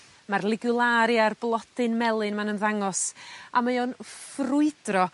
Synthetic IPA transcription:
marlˠɪɡulˠaɾjarblˠɔd̥ɨnmɛlˠɨnmanənðaŋɔsamajonfrʊɨdrɔ

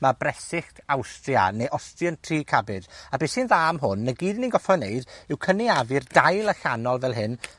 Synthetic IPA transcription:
mabrɛsɪxtʰawstja̰neʔɔstjəntʰriːkʰabɪdabeːsɪnðaːmɦʊnːəɡiːdninɡɔfɔneɨdɪwkʰəniavɨrdajlˠəɬanɔlˠvɛlˠɦɪn

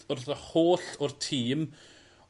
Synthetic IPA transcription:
ʊrðəhoːɬʊrtʰiːm

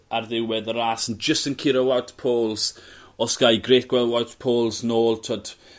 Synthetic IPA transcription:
arðɪwwɛðəɾasənd͡ʒəstənkʰɪɾəwawtpʰoːlˠz̥ɔsɡ̥ajɡɾeːtɡ̥wɛlwawtpʰoːlˠznoːlˠtʰɔd

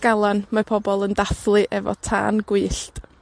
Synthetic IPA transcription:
ɡ̥alˠanmapʰɔbɔlˠəndaθlˠɨʔɛvɔ̰tʰa̰ːnɡwɨːɬt

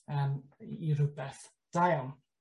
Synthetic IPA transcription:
əːmiɾʊbɛθ | d̥ajɔl

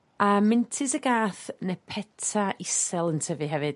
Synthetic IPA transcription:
amɪntʰɪsəɡaːθnɛpʰɛtʰaʔɪsɛlˠəntʰəvɨɦɛvɨ̥

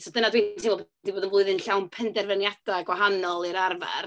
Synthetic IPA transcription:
sɔdənadwetʰsʰinɔdiboːdənvlʊɨðɨnɬawnpʰɛndɛrvənjad̥aɡwaɦanɔlˠiɾarva̰r

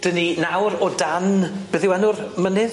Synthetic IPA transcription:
d̥əninawɾɔdanb̥ɨðɪwɛnʊrmənɨð

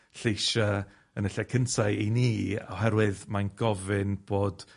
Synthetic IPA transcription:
ɬejʃa | ənəɬakʰəntʰaɨiniːa̰wɦɛɾwɨðmanɡɔvɨnb̥oːd̥

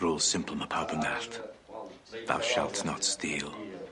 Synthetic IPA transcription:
ɹɔːl̥ˠsɪ̃mpʰəl̩ˠməpʰaʊbənaθ | ða̰ʊʃa̰lˠtnə̰tstiːlˠ

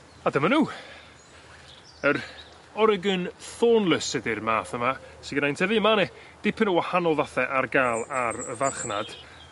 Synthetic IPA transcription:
adəmanuː | əɾ | ɔɾəɡənθoːnləsɛdɪrmaːθəmasiɡnajntʰɛðimanɛ | d̥ɪpʰənuwahanɔlˠðaθɛʔarɡaːlˠaɾəvarχnad̥

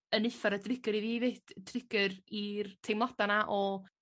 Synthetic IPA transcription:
ənɨfaɾadrɪɡɨɾiviːved̥drɪɡərirtʰejmlˠadanaʔɔ

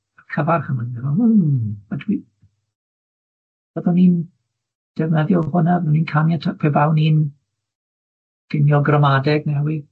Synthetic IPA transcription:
akʰəvarχəməndɛvɔuadwi | vəðɔnin | d̥ɛvnɛðjɔlhʊnabðɔninkʰamjatʰapʰɛbawnin | ɡ̥ɪnjɔɡrəmadɛɡnɛwi

